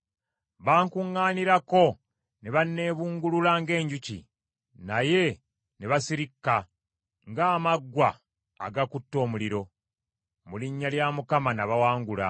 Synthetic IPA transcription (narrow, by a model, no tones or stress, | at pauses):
βaːŋkuŋːaːniɾako̞ | neβanːe̞ːβuːŋɡululaŋɡe̞ːɲɟucḭ | naje̞ | neβasiɾikːa | ŋɡaːmaɡwa̰ː | ɡakutːo̞ːmuliɾo̞ | muliɲːaljamukamanaβawaːŋɡula̰